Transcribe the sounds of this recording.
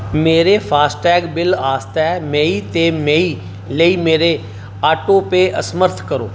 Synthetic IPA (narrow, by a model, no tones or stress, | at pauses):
meːɾefʰaːsʈɛːɡbɪlaːst̪ɛmẽːit̪emẽiː | ləiːmeːɾe | aːʈoːpeʔəsməɾt̪ʰkəɾo̰ː